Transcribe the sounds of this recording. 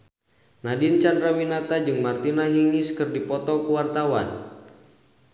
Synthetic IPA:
nadint͡ʃandɾawinat̪ad͡ʒɨŋmart̪inaɦiŋiskɨrdipɔt̪ɔkuwart̪awan

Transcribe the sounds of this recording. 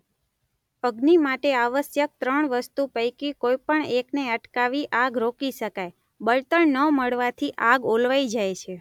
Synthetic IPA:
əɡnimaʈeaʋəsjək̚t̪ɾəɳʋəst̪upəjkikojpəɳekneəʈkaʋiʔaɡɾokiʃəkaj | bəlt̪əɳnəməɭʋat̪ʰiʔaɡolʋaid͡ʒajt͡ʃʰe

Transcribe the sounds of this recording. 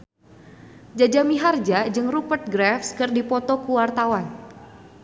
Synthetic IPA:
d͡ʒad͡ʒamiɦard͡ʒad͡ʒɨŋrupərt̪̚ɡɾɛfskɨrdipɔt̪ɔkuwart̪awan

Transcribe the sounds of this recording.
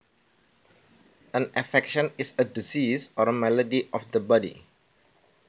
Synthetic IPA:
ə̃nʔafɛkʃə̃nisədisisɔɹəmɛlədiʔɔfd̪əbɔdḭ

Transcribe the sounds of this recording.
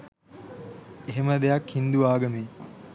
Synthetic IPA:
eɦeməd̪ejakhind̪uʋaːɡəmeː

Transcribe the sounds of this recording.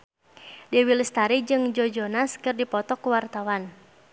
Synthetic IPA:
dɛwilist̪aɾid͡ʒɨŋd͡ʒɔd͡ʒɔnaskɨrdipɔt̪ɔkuwart̪awan

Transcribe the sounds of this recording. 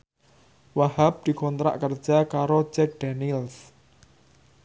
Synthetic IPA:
waɦap̚d̪̥i̤kɔnt̪ɾa̰ʔkər̥d͡ʒ̥akaɾo̥d͡ʒɛk̚d̪̥anils

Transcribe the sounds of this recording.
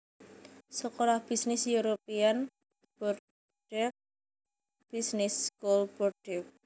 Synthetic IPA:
səkoɾahb̥isnɪsjuɾopian | b̥ɔr̚ | ɖ̥ɛk̚ | b̥isnɪskulb̥ɔrɖɛk̚

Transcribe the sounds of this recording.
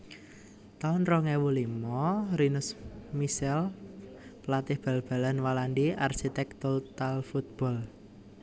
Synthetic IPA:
t̪anɾɔŋɛwulimɔɾinʊsmisɛl | plat̪ɪhb̥a̤lb̥a̤lanwalandia̰rsit̪ɛkt̪ʊlt̪alfut̪̚b̥ɔ̤l

